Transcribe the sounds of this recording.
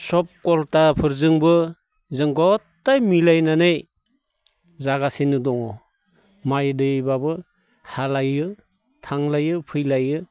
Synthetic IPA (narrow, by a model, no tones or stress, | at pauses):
sɔp̚kɔltapʰɯɾzɯŋbɯ | zɯŋɡɔtːajmilajnanej | zaɡasenɯdɔŋɔ | majdɯbabɯ | halajɯ | tʰaŋlajɯpʰɯjlajɯ